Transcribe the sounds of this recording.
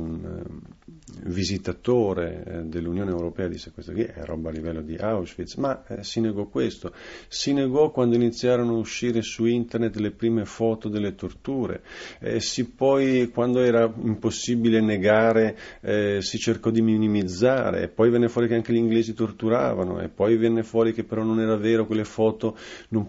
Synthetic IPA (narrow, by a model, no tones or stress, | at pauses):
un | vizit̪at̪oːɾḛd̪elːunjoːneewɾopɛːad̪ḭsːekwest̪okiɛ̰rɔ̰baːlːivɛlːod̪iʔawsfit̪smasineɡɔkwest̪osineɡɔkːwand̪oinit̪sːjaːɾonoauʃːiːɾesuint̪ernet̪ːlepɾiːmefɔːt̪od̪elːet̪ort̪uːɾḛsipːɔjkwand̪oɛːɾaimposːibileneɡaːɾe | sit͡ʃerkɔd̪iminimid̪zːaːɾḛːpːɔjvɛnːefwɔːɾikeaŋk̟eʎiŋɡleːzit̪ort̪uɾa̰ːvano̰ḛpːɔjvɛnːefwɔːɾikepːeɾɔnːonɛːɾavɛːɾokwelːefɔːt̪onom